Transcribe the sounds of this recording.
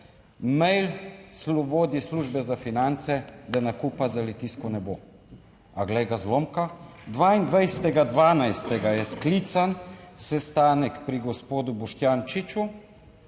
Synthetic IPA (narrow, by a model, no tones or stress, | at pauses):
mɛjlslɔboːd̪isluːʒbɛzafinant̪sɛd̪anakuːpazalɛt̪iskɔnɛbo | aɡlɛjɡazlomka | d̪ʋaːind̪ʋajsɛt̪ɛɡad̪ʋaːnajst̪ɛɡajɛskliːt̪sansɛst̪aːnɛkpɾiɡɔspoːd̪ubɔʃt̪jaːnt͡ʃit͡ʃu